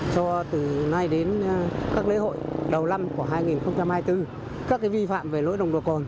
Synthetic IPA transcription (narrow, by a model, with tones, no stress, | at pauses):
t͡ɕɔ˧t̪ɨ˨˩na˧jɗe˨˦nkaː˦˥k̚le˨˦ɦo̰˧˨jɗə˨˩wla˧mku˧˩əɦaː˧jŋi˨˩nxə˧wŋ͡mt͡ɕa˧mhaː˧jt̪ɨ˧ | kaː˦˥kːaː˨˦jvi˧fa̰ː˧˨mve˨˩lo̰˧˥jɗə˨˩wŋ͡mɗo˨˩kɔ˨˩n